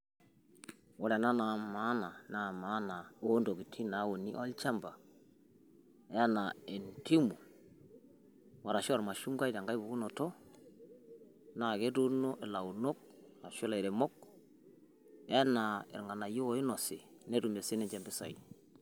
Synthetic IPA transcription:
wɔ˦lɛ˨na˦na˨˦ma˨˦na˨na˨ma˦na˨o˦ndo˨ki˨tʰi˦na˨˦wo˨ni˦ʔɔ˦lt͡ʃa˦mba˨˦ | a˦na˨e˨nti˦mu˨ | wa˨ɾa˨ʃo˦wa˨ɾma˨ʃu˦ŋɡa˦jta˨ŋɡa˦jbu˨ɡu˦no˨tɔ˦ | na˨ke˦tu˦no˦ʔe˨la˨u˨no˦k̚ | na˨ʃʊ˦la˨i˨ɾe˨mɔ˦k̚ | ɛ˦na˨ɪ̰˨ɾŋɡa˨na˨jo˦˨˦ɪ˦nɔ˨sɪ˨ne˦tu˨me˨sɪ˦nɛ˦ɲd͡ʒɛ˨mbɪ˦sa̰˨ḭ

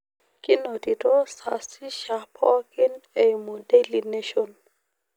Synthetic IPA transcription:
kɪ˦no˨ti˨to˦sa̰˨si˦ʃa˨pʰɔ˦kɪ˦ne˨jmo˨de˦li˨ne˦ʃon

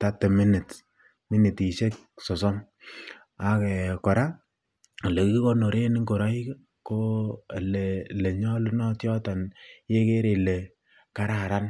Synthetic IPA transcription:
ta˦te˨mi˦nɪ˨t | mi˦ni˨ti˨ʃe˦k̚ | sɔ˨sɔ˦m | a˨kɛ˨kɔ˨ɾa˦ | a˨le˨ki˦ki˦ko˦no˨ɾe˦nɪ˦ŋko˨ɾa˦i˦k | ko˦˨le˨le˨ɲɔ˦lu˦nɔ˦tjɔ˦ta˨nje˦ke˦ɾe˨le˨ | ka˦ɾa˨ɾa˦n

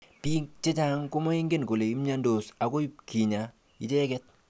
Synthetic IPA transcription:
pi˦t͡ʃe˦t͡ʃa˦ŋko˦mo˦i˦ŋɡe˦˨nko˨le˨i˦mɲa˦ndo˨sa˨ko˦ji˦pkʰi˨ɲa˨ | i˦t͡ʃe˦kɛ˦t̚

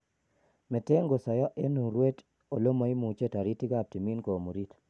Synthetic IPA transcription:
mɛ˨te˦ŋɡo˨sɔ˨jɔ˦ʔe˦nu˨ɾwe˦t | o˨lo˦ma˨i˦mu˨t͡ʃe˦ta˨ɾi˦ti˦ɡa˦˨p̚ti˨mi˦nko˨mo˨ɾi˦t

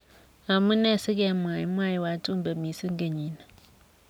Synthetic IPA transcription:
a˨mʊ˦nɛ˦˨sɪ˦ɡɛ˨˦mwa˨ji˦mwa˦˨ji˨wa˨˦tu˦m˦ba˨mi˨si˦ŋ̩˦ɡe˨ɲi˨na˨

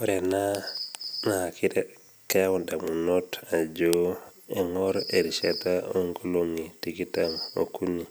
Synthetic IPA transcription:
o˦ɾe˨na˦ | ŋa˨a˨kʰi˦ɾe | ke˦wda˨mu˨no˦ta˨d͡ʒoeŋɔɾe˨ɾi˨ʃeta˦o˦ŋɡo˦lo˦ŋi˨ti˦ki˦ta˦ŋo̰˨ku˦ɲi˨

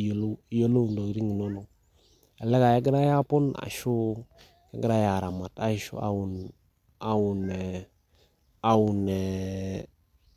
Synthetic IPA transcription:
o˦lo˦jo˦lo˦u˨ndo˨ɡɾi˦ŋi˨no˦no˨ | a˨le˦ka˨je˦ɡɾa˦ja˦pʊ˦na̰˨ʃu˦ | ke˦ɡɾa˦ja˨ɾa˨ma˨ta̰˦ʃṵ˦a̰˦wu˨n | a˨wu˨nɛ˨ | a˨wu˨ne˨

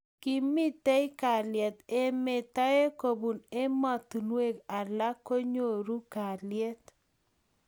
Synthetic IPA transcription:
ki˦mi˦t̪e˦i˦ka˨ljɛ˨t̪e˦me˨tɔ˦e˦ko˨bu˨ne˦mɔ˨t̪u˨nwe˦ka˨la˦ko˦ɲo˦˨ɾu˦ka˨lje˦t̪

